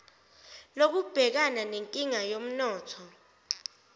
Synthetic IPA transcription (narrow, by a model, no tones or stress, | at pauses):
lok̬ub̥ʱɛk̬ananeŋkʼiŋajom̩nɔːtʰɔ